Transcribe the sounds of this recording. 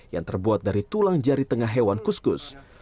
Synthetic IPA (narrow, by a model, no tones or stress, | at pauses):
ja̰ŋt̪ərbuat̪̚daɾit̪ulaŋd͡ʒaɾit̪əŋaɦewankuskʊs